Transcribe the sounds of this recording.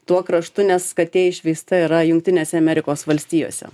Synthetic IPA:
t̪uɔkɾɐʃt̪ʊnʲɛskɐt̪ʲeɛɪʃʲʋʲiɪst̪ɐiɾɐjʊŋk̚t̪ʲɪnʲeːsʲɛɐmʲɛɾʲɪkoːsʋɐlʲsʲt̪ʲiːjo̰ːsʲɛ̰

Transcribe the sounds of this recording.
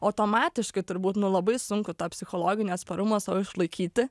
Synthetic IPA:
ɐʊt̪oːmɑːt̪ʲɪʃkɐɪt̪ʊɾbuːt̪nʊlˠɐbɐɪsʊŋkʊt̪ɑːpʲsʲɪxoːlˠoːɡʲɪnʲeːɐt̪spɐɾʊmɐsɐʋɪʃlˠɐɪkʲiːt̪ʲɪ

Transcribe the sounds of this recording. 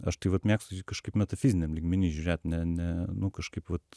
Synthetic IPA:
a̰ʃt̪ivot̪mʲjakskəʃkipmɛt̪ɐfizʲnɛmlikminiʒʒɛt̪nɛnɛnukəʃkipvot̪

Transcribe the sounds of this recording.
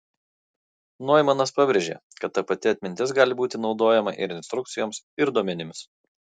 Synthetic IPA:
noɔjɪmɐnɐspɑːbʲɾʲeʒʲḛːkɐt̪ːɐpɐt̪ʲɪɐt̪ʲmʲɪnʲt̪ʲɪs̬ɡɑːlʲɪbuːt̪ʲɪnɒʊd̪oːjɛmɐʔɪ̰ɾɪnʲst̪ɾʊk̚t̪sʲɪjoːms | ɪɾd̪uɔmʲɛnʲɪms

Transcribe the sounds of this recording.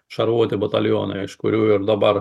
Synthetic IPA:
ʃɐɾuɔt̪ʲɪbɐt̪ɐlʲjoːnɐɪʃkʊɾʲuːɪɾd̪ɐbɐɾ

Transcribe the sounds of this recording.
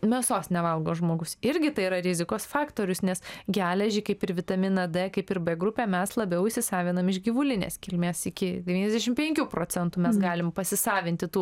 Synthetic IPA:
mʲɛsoːsnʲɛʋɐlˠɡoːʒmoːɡʊsɪɾʲɡʲɪt̪ɐɪiɾɐɾʲɪzʲɪkoːsfɑːkt̪oːɾʲʊsnʲɛsɡʲæːlʲɛʒʲɪːkɐɪpɪɾʋʲɪt̪ɐmʲɪnɐd̪ɛkɐɪpɪɾbʲɛɡɾʊpʲɛmʲɛslˠɐbʲɛʊɪʃsʲɪsɑːʋʲɪnɐmɪʃɡʲɪʋʊlʲɪnʲḛːskʲɪlʲmʲeːsɪkʲɪd̪ʲɛʋʲiːnʲɛzd̪ʲæʃʲɪmpʲɛŋʲkʲuːpɾoːt͡sʲɛnt̪uːmʲɛsɡɑːlʲɪmpɐsʲɪsɑːʋʲɪnʲt̪ʲɪt̪uː

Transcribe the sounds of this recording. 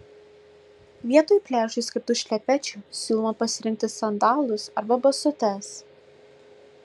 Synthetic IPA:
ʋʲiɛt̪oːjpʲlʲæːʒʊisʲkʲɪɾt̪ʊʃʲlʲɛpʲɛt͡ʃʲʊsʲuːlˠmɐpɐsʲɪɾʲɪŋʲk̚t̪ʲɪsɐnd̪ɑːlˠʊsɐɾbɐbɐsʊt̪ʲɛs

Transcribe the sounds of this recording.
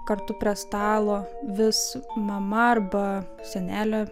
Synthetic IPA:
kɐrt̪ʊpʲɾʲiɛst̪ɑːlˠoːʋʲɪsmɐmɐɐrbɐ | sʲɛnʲæːlʲɛ

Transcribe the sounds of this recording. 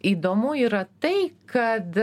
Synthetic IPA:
iːd̪oːmuiːɾɐt̪ɐɪkɐt̪

